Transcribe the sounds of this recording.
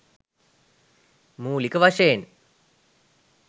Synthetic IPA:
muːlikəʋaʂejen

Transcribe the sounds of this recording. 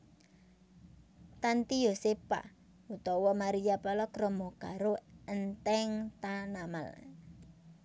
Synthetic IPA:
t̪ant̪ijosepa̰ | ut̪ɔwɔmaɾijapɔlɔkɾɔmɔkaɾoənt̪ɛŋt̪anama̰l

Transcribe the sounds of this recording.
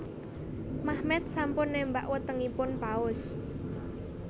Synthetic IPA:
mahmɛt̪̚sampʊnːɛmba̰ʔwət̪əŋipʊnpaʊs

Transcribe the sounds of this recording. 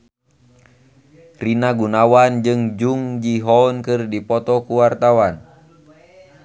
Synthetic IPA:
rinaɡunawand͡ʒɨŋd͡ʒuŋd͡ʒiɦɔnkɨrdipɔt̪ɔkuwart̪awan

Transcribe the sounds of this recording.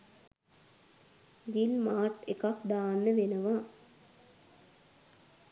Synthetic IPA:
d͡ʒilmaːʈekakd̪aːnːəʋenəʋa

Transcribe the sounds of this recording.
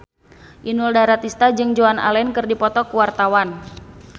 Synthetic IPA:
ʔinuldaɾat̪ist̪ad͡ʒɨŋd͡ʒoana̰lɛnkɨrdipɔt̪ɔkuwart̪awan

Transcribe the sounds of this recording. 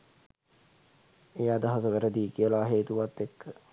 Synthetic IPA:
ejaːd̪ɐɦasəʋəɾəd̪iːkiəlaːɦeːt̪uʋat̪ːekːə

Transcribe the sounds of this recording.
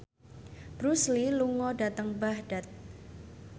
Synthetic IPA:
b̥ɾusliluŋɔdat̪əŋbahd̥at̪̚

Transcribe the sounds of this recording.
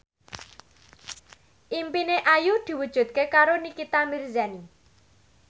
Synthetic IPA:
ʔimpineʔajud̪̥i̤wud̥ʒ̥ṳt̪̚kekaɾonikit̪amirzani

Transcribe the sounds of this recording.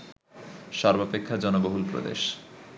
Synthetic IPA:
ʃɔɾbopekʰːad͡ʑɔnoboɦulpɾo̰d̪ḛʃ

